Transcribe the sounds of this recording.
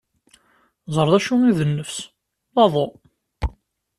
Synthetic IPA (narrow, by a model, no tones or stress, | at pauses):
zˤəɾˤðˤæʃumiðənːəfs | ðˤɑðˤo